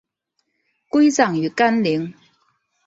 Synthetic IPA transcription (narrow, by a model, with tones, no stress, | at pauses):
ku˥jt͡sɐ˨˩ŋjyː˨˩kɐ˥nli˨˥ŋ